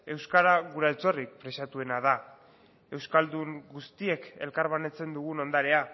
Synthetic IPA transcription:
e̞wskaɾaɣuɾalt͡so̞rik̚pɾe̞sat̪ue̞naða | e̞wskald̪uŋɡust̪ie̞ke̞̰lkaɾβane̞t͡se̞nd̪uɣ̞uno̞nd̪aɾe̞a

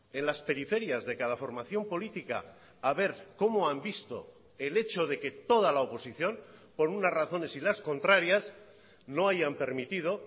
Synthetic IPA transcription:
e̞nlaspe̞ɾife̞ɾjazðe̞kaðafo̞ɾmaθjo̞mpo̞lit̪ika̰ː | βe̞ɾko̞moambist̪o̞̰ | e̞le̞t͡ʃo̞ð̞e̞ke̞t̪o̞ð̞alaopo̞siθjo̞mpo̞ɾunazraθo̞ne̞silasko̞nt̪ɾaɾjas | no̞ajampe̞ɾmit̪ið̞o

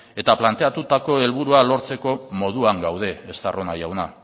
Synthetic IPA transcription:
e̞t̪aplant̪e̞at̪ut̪ako̞e̞lβuɾualo̞ɾt͡se̞ko̞mo̞ð̞uaŋɡawð̞e̞ːst̪a̰ro̞najawna

